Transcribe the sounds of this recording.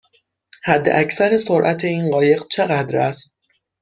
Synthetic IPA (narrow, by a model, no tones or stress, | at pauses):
hæd̪ːḛʔæcsæɾesoɾʔæt̪ʰe̞iːnɢɒːje̞ɣt͡ʃʰe̞ɣæd̪ɾæst̪̚